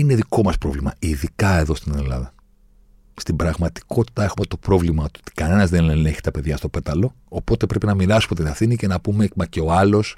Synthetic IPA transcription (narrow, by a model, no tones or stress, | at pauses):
ine̞ðiko̞mɐspɾo̞vlimɐiðikɐe̞ðo̞st̪ine̞lɐ̰ðɐ | st̪ibɾɐɣmɐt̪i̥ko̞t̪i̥t̪ɐe̞xume̞t̪o̞pɾo̞vlimɐot̪uo̥t̪i̥kɐne̞nɐzðeneneçi̥t̪ɐpe̞ðʝɐst̪o̞pe̞t̪ɐlo̞ | opo̞t̪e̞pɾe̞pinɐmiɾɐsumet̪inɐθinice̞nɐpumemɐceo̞ɐlo̞s